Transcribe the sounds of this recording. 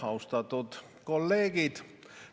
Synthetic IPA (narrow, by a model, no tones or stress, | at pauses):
ɑust̪ɑt̪ut̪ | kolːeːɡit̪